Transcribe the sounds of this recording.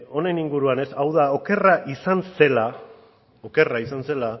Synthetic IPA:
o̞ne̞niŋɡuɾuane̞sawðao̞ke̞raʔisanse̞la | o̞ke̞raisanse̞la

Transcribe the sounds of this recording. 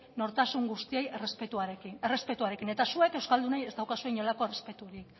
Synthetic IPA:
no̞ɾt̪asuŋɡust̪iejerespet̪uaɾekinere̞spe̞t̪uaɾe̞kine̞t̪asue̞ke̞wskald̪unajest̪awkasueɲo̞lako̞erespe̞t̪uoɾiek

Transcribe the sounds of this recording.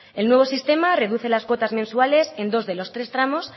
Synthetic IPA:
e̞lnwe̞β̞o̞sist̪e̞mare̞ðuθe̞lazkwo̞t̪azmensuale̞se̞nd̪o̞zðe̞lo̞st̪ɾe̞st̪ɾamo̞s

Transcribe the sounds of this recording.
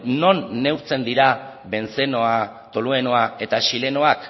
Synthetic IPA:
no̞nːe̞wɾt͡se̞nd̪iɾa | βe̞nt͡se̞noa | t̪o̞lue̞no̞ae̞t̪aʃile̞no̞ak

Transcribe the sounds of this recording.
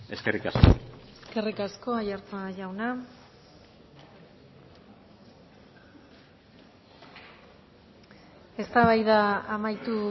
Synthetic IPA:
e̞skerikasko̰eske̞rikasko̞ajaɾt͡saʝawna | e̞st̪aβajðaamajt̪u

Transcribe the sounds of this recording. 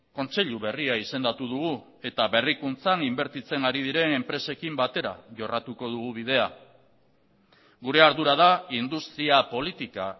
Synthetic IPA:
ko̞nt͡se̞ʎuβe̞riaise̞nd̪at̪uð̞uɣ̞u | e̞t̪aβe̞rikunt͡sanimbe̞ɾt̪it͡se̞ŋaɾið̞iɾe̞ne̞mpɾe̞se̞kimbat̪e̞ɾa̰ʝo̞rat̪uko̞ð̞uɣ̞uβ̞iðe̞a | ɡuɾe̞aɾðuɾað̞aind̪ust̪ɾiapo̞lit̪ika̰

